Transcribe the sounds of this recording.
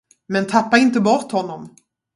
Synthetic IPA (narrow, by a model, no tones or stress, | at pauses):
mɛnt̪ʰapːaɾɪnt̪əbɔɾt̪hɔnːɔm